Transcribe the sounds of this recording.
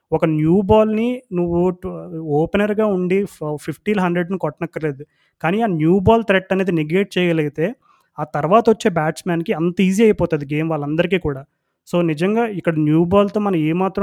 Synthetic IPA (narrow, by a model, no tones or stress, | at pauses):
ɔkɐnjuːbaːlninuʋːuoːpenɐɾiɡaːuɳɖipʰipʰʈiːlɦɐɳɖɾeɖnikɔʈnɐkːɐle̞ːd̪u | kaːniːaːnjuːbaːlt̪ɾeʈːɐneːd̪iniɡeːʈ̚t͡ʃɛːjɐɡɐlɐɡit̪eː | aːt̪ɐɾʋaːt̪ɐʋɔt͡ʃːe̞ːbaːt͡ʃmaːnkiɐnt̪ɐiːziːɐjɐpɔːt̪ɐːd̪iɡe̞ːmʋaːɭːɐnd̪ɐɾikiːkuːɽaː | so̞ːnid͡ʒɐŋɡaːikːɐɽɐnjuːbaːlt̪o̞ːmɐnɐmeːmaːt̪ɾɐ